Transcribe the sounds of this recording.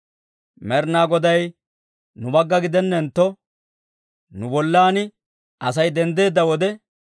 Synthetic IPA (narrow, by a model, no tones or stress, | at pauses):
mɛɾnaːɡɔd̪ɐj | nʊbɐɡːɐɡɪd̪ɛnːɛnt̪ːɔ | nʊbɔlːaːnɪ | ɐs̬ɐjd̪ɛnd̪e̞ːd̪ːɐwɔd̪ɛ